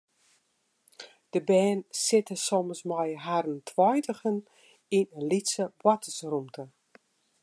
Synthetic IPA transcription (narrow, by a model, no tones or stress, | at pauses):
d̥əbɛːnsɪtəsɔməsmɔjɦarəntʰwɔjtəɣən | inənlitsəbwatəsrumtʰə